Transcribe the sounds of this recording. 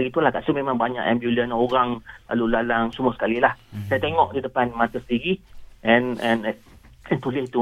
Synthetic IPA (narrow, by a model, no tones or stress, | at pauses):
ɡit̪ulahkaʔsumẽmãŋbaɲa̰ʔɛ̰mbjulənoɾaŋla̰lulalaŋsumuəsə̥kalilahsajat̪eŋɔʔdidəpanmat̪əsət̪iɡiʔɛ̃nɛ̃n | ɛ̃nt̪ulɪhit̪u